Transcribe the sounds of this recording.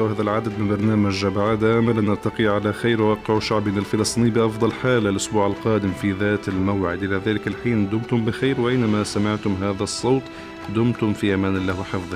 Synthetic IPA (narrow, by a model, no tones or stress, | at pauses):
whaːðalʕad̪ad̪mɪnbɑɾˤnaːmad͡ʒabʕad̪ʔaːmalanʔɑɾt̪ɑqiʕalaxajɾwwɑːqɪʕʃaʕbʔɪnalfɪlɑst̪ˤiːniːbɪʔɑfd̪ˤɑlħaːlalʔʊsbuːʕalqɑːd̪ɪmfiðaːt̪almawʕɪ̰d̪ʔɪlaðaːlɪkalħiːnd̪ʊmt̪ʊmbɪxijːɾwʔajnamasamɪʕt̪ʊmɦaːðasˤːoːt̪ˤ | d̪ʊmt̪ʊmfiːʔamaːnɪlːaːwɪħɪfðˤ